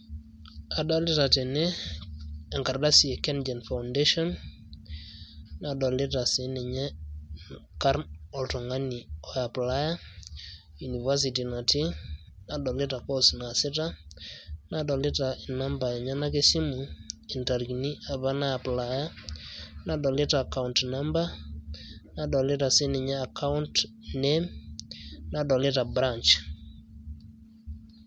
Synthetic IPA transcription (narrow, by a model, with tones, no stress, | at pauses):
a˨dɔ˦li˦ta˨te˨ne˦ | a˨ŋka˨ɾda˦si˨e˨kɛ˦nd͡ʒɛ˨nfa˨unde˦ʃɔ˦n | na˨dɔ˨li˦ta˨sɪ˨ni˨ɲɛ˦ | ka˦ɾnɔ˨ltɔ˨ŋa˦ni˨ɔ˨ja˨pla˦ja˦ | ju˨ni˨va˦s̬i˨ti˨na˨ti˦ | na˨dɔ˨lɪ˦ta˨kɔ˦sna˨sɪ˦ta˦ | na˨dɔ˨le˦ta˨i˨na˦mba˨ɲa˦na˦ke˦si˦mu˨i˨nta˨ɾkni˦a˨βa˦na˦a˨pla˨ja˦ | na˨dɔ˨le˦ta˨ka˦untnamba˦ | na˨dɔ˨le˦ta˨sɪ˦nɪ˨ɲaː˦˨ka˦u˦nt | nɛm | na˨dɔ˨le˦ta˨bɾa˦nt͡ʃ